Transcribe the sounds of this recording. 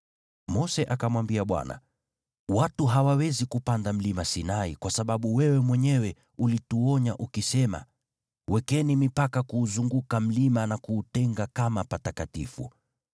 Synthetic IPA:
mɔsɛʔakamwambiaɓwa̰na̰ | watuɦawawɛzikupandam̩limasinaikwasaɓaɓuwɛwɛmwɛɲɛwɛ | ulituɔɲaʔukisɛma̰ | wɛkɛnimipakakuːzuŋɡukam̩limanakuːtɛŋɡakamapatakatḭfṵ

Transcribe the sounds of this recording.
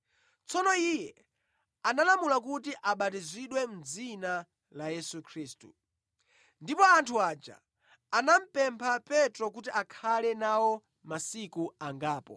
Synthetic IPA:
t͡sɔnɔijɛ | analamulakutiʔaɓatiziɗwɛm̩d͡zina | lajɛsukʰɾiːstṵ | ndipɔantʰuat͡ʃa̰ː | nam̩pɛmpʰapɛtɾɔk̬utiʔakʰalɛnawɔ | masikuaŋɡaːpɔ̰

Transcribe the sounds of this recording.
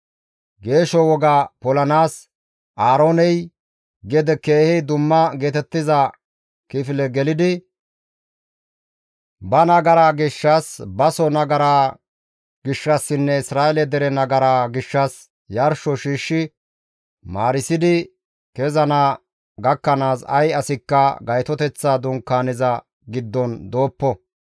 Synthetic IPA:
ɡe̞ːʃɔwɔɡaːpɔlɐnaːs | ʔaːɾo̞ːnɛj | ɡɛd̪ɛkeːhɛd̪ʊmːɐɡe̞ːt̪ɛt̪ːɪzɐ | kɪfɪlɛɡɛlɪd̪ɪ | bɐnɐɡɐɾaːɡɪʃːasbɐsɔnɐɡɐɾaː | ɡɪʃːɐsːɪnːɛɪsɾaːʔɛlɛd̪ɛɾɛnɐɡɐɾaːɡɪʃːɐs | jɐɾʃɔʃiːʃːɪ | maːɾɪsɪd̪ɪ | kɛzɐnaː | ɡɐkːɐnaːsɐ̰jɐsɪkːɐɡɐjt̪ɔt̪ɛt͡sːaːd̪ʊŋkaːnɪzɐ | ɡɪd̪ːɔnd̪o̞ːpːɔ

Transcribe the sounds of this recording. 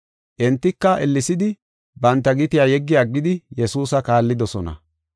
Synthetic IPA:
ʔɛnt̪ːɪkːɐʔɛlːɪsɪd̪ɪ | bɐnt̪ːɐɡɪt̪ɪjaːjɛɡːɪjaːɡːɪd̪ɪjɛsuːsɐkaːlːɪd̪ɔsɔnɐ̰

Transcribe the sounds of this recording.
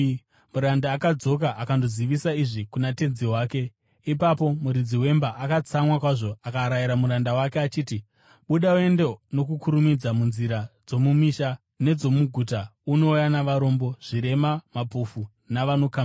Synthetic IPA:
muɾandaːkad͡zo̞k̬aʔakando̞ziʋisaiʐikunate̞nziwaːke̞ | ipapo̞muɾid͡ziwe̞mbaʔakat͡samwakwaʐo̞akaɾajiɾamuɾandawakeat͡ʃiːti | ɓuɗaue̞ndenokukuɾumid͡zamunziɾad͡zo̞mumiʃa | ne̞d͡zo̞muɡʱuːtauno̞janaʋaɾo̞mbo̞ʐ̥iɾe̞mamapofu | naʋanokam

